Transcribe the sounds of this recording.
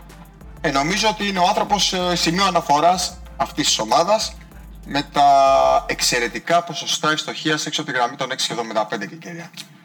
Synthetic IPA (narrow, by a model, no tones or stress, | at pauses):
eno̞mizo̞ot̪iineo̞ɐnθɾo̞po̞ssimioɐnɐfo̞ɾɐs | ɐft̪ist̪i̥so̞mɐðɐs | me̞t̪ɐekse̞ɾe̞t̪ikɐpo̞so̞st̪ɐekst̪o̞çiɐseksot̪iɣɾɐmit̪o̞ne̞ksi̥evðomind̪ɐpe̞nd̪ececeɾiɐ